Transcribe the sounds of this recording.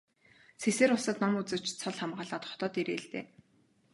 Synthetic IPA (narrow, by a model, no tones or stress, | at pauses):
seseːɾʊsə̆t̪nɔmut͡sɘ̆w̥t͡ɕt͡sʰɔɮχamɢaːɮaːt̪χɔ̥t̪ɔːt̪eɾeːɮt̪ḛː